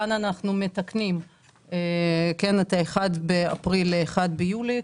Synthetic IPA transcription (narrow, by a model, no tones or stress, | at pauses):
ananaχnume̞taknim | ekenat̪aeχad̪bea̰pʁileχad̪bejuli